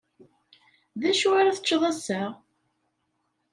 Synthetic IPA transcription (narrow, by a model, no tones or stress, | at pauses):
ðæʃuaɾaθə̥t͡ʃːðˤæsəʁ